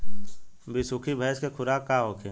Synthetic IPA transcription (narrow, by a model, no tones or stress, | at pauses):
bisʊkʰibʱəjskekʰʊɾaːkaɦoːkʰeː